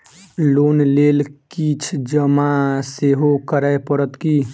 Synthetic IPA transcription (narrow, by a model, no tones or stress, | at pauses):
lonlelkit͡ʃʰd͡ʒəmaseɦokəɾəepəɾət̪ki